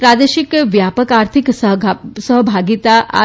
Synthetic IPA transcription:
pɾad̪eʃikʋjapəkaɾt̪ʰikssəɦbʱaɡit̪aʔa̰

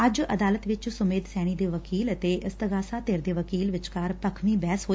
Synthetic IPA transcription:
əd͡ʒə̰d̪aːlət̪ʋɪt͡ʃsʊmeːd̪sɛːɽ̃iːd̪eːʋəkiːlət̪eːʔɪst̪əɡaːsaːt̪eːɾd̪eːʋəkiːlʋɪt͡ʃkaːɾpəkʰʋĩːbɛːsɦoː

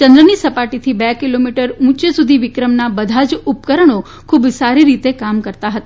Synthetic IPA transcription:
t͡ʃə̃nd̪ɾənisəpaʈit̪ʰibɛkilomiʈəɾũt͡ʃesud̪ʱiʋɪkɾəmnabəd̪ʱad͡ʒupkəɾəɳ̃o | kʰubsaɾiɾit̪ekamkəɾt̪aɦət̪

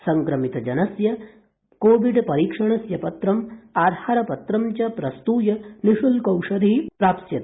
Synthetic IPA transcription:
sɐŋkɾɐmit̪ɐd͡ʒɐnɐsjɐ | koːʋiɖpɐɾiːkʂɐɳ̃ɐsjɐpɐt̪ɾɐmaːd̪ʱaːɾɐpɐt̪ɾɐmt͡ʃɐpɾɐst̪uːjɐniʃulkɐwʂɐɾipɾaːpsjɐt̪

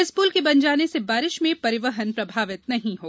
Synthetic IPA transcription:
ɪspuːlkebɐɲd͡ʒaːnesebaːɾɪʃmẽpɐɾɪʋəɦənpɾɐbʱaːʋɪt̪nɐɦĩɦoː

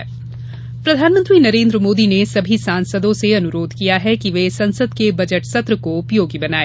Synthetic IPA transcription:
pɾɐd̪ʱaːnmə̃nt̪ɾinɐɾẽːnd̪ɾəmoːd̪inesɐbʱisãːnsəd̪õseɐnʊɾoːd̪ʱkijaɦɛkiʋesɐ̃nsəd̪kebɐd͡ʒəʈsɐt̪ɾəkoʊpjoːɡibɐnaːeː

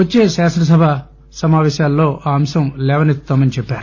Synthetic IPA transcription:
ɐt͡ʃːe̞ːʃaːʂnɐs̬ɐbʱɐ | sɐmaːʋɛːʃjaːlːo̞ːʔaːɐmsɐmlɛːʋɐnit̪ːaːmɐnit͡ʃɛpːaːɾu

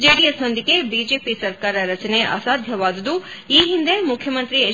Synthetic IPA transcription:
d͡ʒeːɽijəsnɐ̃nd̪ʱikebiːd͡ʒeːpisɐɾkaːɾɐɾɐt͡ʃəneʔa̰saːd̪ʱjɐʋaːd̪d̪u | iːɦind̪emʊkʰjɐmɐ̃nt̪ɾie

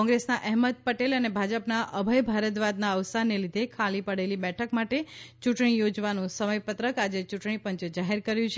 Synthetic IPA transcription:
ɔ̃ŋɡɾesnaʔɛɦməd̪̚pəʈelənebʱad͡ʒəpnaʔəbʱəjbʱaɾət̪ʋad̪naəʋsaɾnelid̪ʱekʰalipəɽelibɛʈʰəkmaʈet͡ʃuʈɳ̃ijod͡ʒʋanũsəməjpət̪ɾəkad͡ʒet͡ʃuʈɳ̃ipə̃ɲt͡ʃd͡ʒaɦeɾkəɾjũt͡ʃʰ

